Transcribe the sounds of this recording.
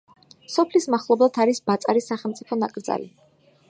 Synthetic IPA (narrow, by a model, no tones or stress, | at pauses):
sɔpʰlismaχlˠɔblˠat̪ʰaɾisbat̪sʼaɾisːaχɛlˠt̪sʼipʰɔnakʼɾd̪za̰li